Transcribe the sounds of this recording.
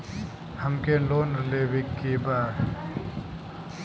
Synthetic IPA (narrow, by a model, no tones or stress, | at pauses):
həmkeloːnɾleːbikːiːbaːɾ